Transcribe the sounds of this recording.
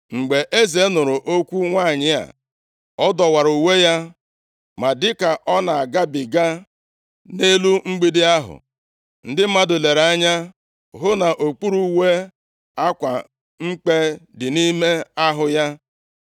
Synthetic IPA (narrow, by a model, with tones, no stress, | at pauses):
ŋ͡m̩˨ɡ͡be˨ʔe˦ze˨˦nʊ˨ɾʊ˨ʔo˦kʷu˦ŋʷaː˦˨ɲɪ˦a̰˨ | ɔ˦dɔ˨wa˨ɾu˨u˨we˦ja˦ | ma˨dɪ˦ka˨ʔɔ˦na˨a˨ɡa˦bɪ˨ɡa˦ | ne˦lu˦ŋ͡m̩˦ɡ͡bi˦dɪ˦a˦ɦʊ̰˨ | n̩˦dɪ˦m̩˦ma˦dʊ˨le˨ɾa˦ɲa˦ | ɦʊ˦na˨ʔo˨k͡pu˦ɾu˦we˦ | a˦kʷa̰˨ | ŋ͡m̩˦k͡pe˦dɪ˨ni˦me˦a˦ɦʊ˨ja˦